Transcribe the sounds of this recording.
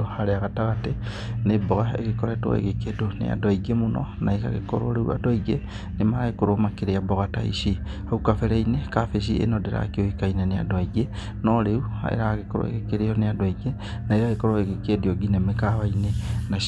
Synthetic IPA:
ohaɾeaɣataɣate | neboɣaḛɣekoɾetwɔ̰ḛɣekedonḛa̰dwaiɡemonɔ̰naeka̰ɣḛkɔɾoɾeṵa̰doiɡe | nemaɾaɣekoɾomakeɾeaboɣata̰ḭʃihaukafeɾeinekafeʃ̬iḛnodeɾa̰keoikainenea̰dwaiɡe | nɔɾeua̰ḛɾaɣekoɾo̰ḛɣekeɾejɔneadoaiɡe | naiɣaɣekoɾoeɣekedioɡinemekaβainena

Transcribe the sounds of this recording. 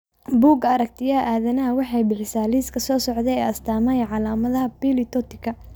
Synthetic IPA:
buːɡɐɾɐk̚t̪ʰɪjɐʔaːðɐnɐɦɐwɑħɑjbɪħɪsaːliːskʰɐsɔːsɔʕðɛɛːɐst̪ʰaːmɐjʕɑlaːmɐðɐɦɐbilɪt̪ʰɔt̪ɪ̥kʰɐ

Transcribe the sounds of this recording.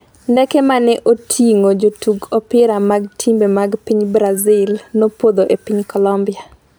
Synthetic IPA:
ndɛkɛmanɛʔotʰiŋod͡ʒotuɡɔpɪɾamaɡtʰimbemaɡpiɲbɾazɪlnopod̪oʔepiɲkɔlɔmbɪa

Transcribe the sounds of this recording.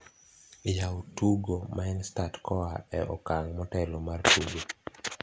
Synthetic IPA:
jawotuɡomaɛnstatkʰɔaɛɔ̰kaŋmɔtɛlɔmartuɡo

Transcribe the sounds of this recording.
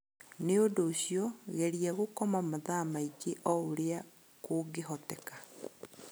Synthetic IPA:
neondoːɕiɔɣɛɾijaɣokɔmamoðamaikeʔɔoɾea | koːɡeɦɔtɛkḁ

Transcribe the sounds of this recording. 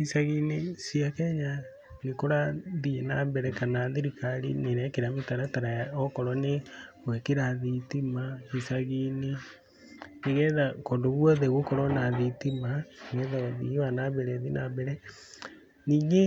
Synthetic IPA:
isaɣinesiakɛɲa | nekoɾaðienabɛɾɛkanaðiɾikaɾḭneɾɛkeɾametaɾataɾajaɔkɔɾɔne | wɛkeɾaðitimahisaɣine | neɣɛðakondoβwɔðɛɣokɔɾɔnaðitimaɣɛðaðiwanaβɛɾɛðinabɛɾɛ | niːŋɡe

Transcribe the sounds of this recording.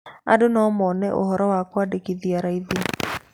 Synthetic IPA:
a̰donɔːmɔːnɛʔo̰hɔɾɔwakwadekiðiaɾaiði

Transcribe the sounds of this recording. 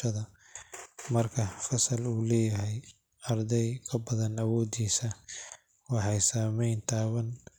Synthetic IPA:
ɐðɐ | mɐrkʰɐfɐsɐluːlɛːjɐɦɛj | ɐrd̪ɛjkʰɐbɐðɐnɐwɔːd̪iːsɐ | wɑħɑjsaːmɛjnt̪ʰaːβɐn

